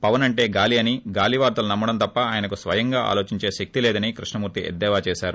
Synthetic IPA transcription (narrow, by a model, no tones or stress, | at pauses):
pɐʋɐnɐɳʈe̞ːɡaːliɐniɡaːliʋaːɾt̪ɐlunɐmːɐɽɐnt̪ɐpːɐaːjɐnɐkusʋɐjɐŋɡaːʔa̰ːlo̞ːt͡ʃiɲt͡ʃe̞ːʃek̚t̪ilɛːd̪ɐnikɾiʂɳɐmuːɾt̪iɛ̰d̪ːɛːʋaːt͡ʃɛːʃaːɾu